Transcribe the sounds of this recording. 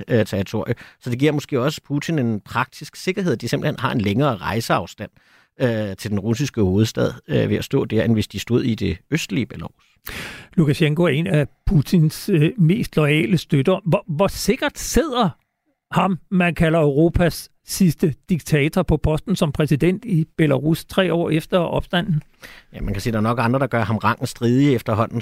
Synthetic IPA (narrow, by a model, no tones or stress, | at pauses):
t͡sʰeʁit͡sʰo̝ɐ̰jəsɒ̽d̥e̝ɡ̥iɐ̰mɔ̽sɡ̥e̝̰ːɒ̽sə̥pʰut͡sʰine̝npʰʁɑ̈ɡ̥̚d̥isɡ̥se̝ɡ̥ɐɦe̝ð̞̰ˠd̥ise̝mb̥l̩henhɑ̈e̝nleŋɐːʁɑ̈ɪsəɑ̈ʊsd̥æn̰ | øt͡sʰe̝ld̥enʁus̬isɡ̥əho̝ːð̞̩ˠsd̥ɛð̞̰ˠøʋe̝æsd̥ɔ̰̽ːd̥æɐenʋe̝sd̥isd̥o̝ð̞̰ˠid̥e̝øsd̥liəb̥ælous | lukæɕeŋkoæɐe̝næpʰut͡sʰinsme̝̰ːsd̥lɒɛ̰ːləsd̥ød̥ɐʋɒʋɒse̝ɡ̥ɐd̥se̝ð̞̰ˠɐ | hɑ̈mmænkʰælɐœʊʁo̝ːpʰæsː | isd̥əd̥iɡ̥̚t͡sʰɛːt͡sʰɐpʰɒ̽pʰɒ̽sd̥n̩sɒ̽mpʰʁɛsid̥en̰d̥ib̥e̝læʁust͡sʰʁɛ̰ːɒ̰ːefd̥ɐʔɒ̽b̥sd̥æn̰n̩ | jæmænkʰæsḭːd̥ɑ̈ːɐnɒ̽ɡ̥ɑ̈nd̥ʁɐd̥ɑ̈ɡ̥ɶɐɦɑ̈mʁɑ̈ŋ̰n̩sd̥ʁiːðˠiefd̥ɐɦɒ̽n̰n̩